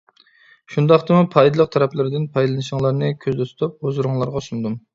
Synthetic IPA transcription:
ʃund̪ɑχt̪ɨmupʰɑjd̪ɨlˠəq̚t̪ʰɑɾɛpʰlˠɨɾd̪ɪnpʰɑjlˠɨnɨʃɪŋlˠɑɾnɨkʲʰøzd̪ɛt̪ʰʊ̥t̪ʰup̚ozɾuŋlˠɑɾʁɑsund̪um

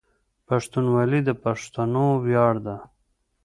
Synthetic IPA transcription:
paʂt̪unwalid̪əpaʂt̪anowjɑːɽd̪a

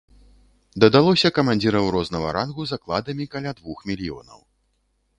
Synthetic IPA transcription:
d̪ɐd̪alˠɔsʲɐkɐmanʲd͡zʲiɾɐwɾɔznɐɣɐ̰ɾanɣuzaklˠad̪ɐmʲikalʲad̪vuxmʲilʲijɔ̰nɐ̰w

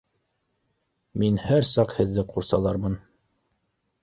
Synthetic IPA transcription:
minhæɾsɑqhɘ̆ðːɘquɾsɑlˠɑɾmɤn

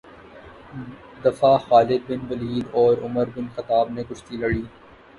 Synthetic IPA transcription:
d̪ɐfaxaːlɪd̪̚bɪnbɐliːlɔːɾʊməɾbɪnxɐt̪aːbnekʊt͡ʃʰt̪ilɐɽiː

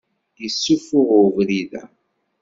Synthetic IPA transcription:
isːufʊʁʊvɾiðæ̰

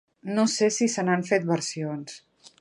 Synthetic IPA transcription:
nosesisənaɱfet̪̚bəɾsions

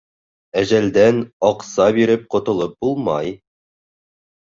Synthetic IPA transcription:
æʑæld̪ænɒqsɑbiɾɘp̚qŏt̪ŏlˠɤp̚bulˠmɑj

